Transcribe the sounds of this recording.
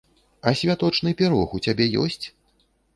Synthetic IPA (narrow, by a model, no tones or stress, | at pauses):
ɐsʲvʲat̪ɔt͡ʂnɨpʲɛɾɔxut͡sʲabʲɛjɔ̰sʲt͡sʲ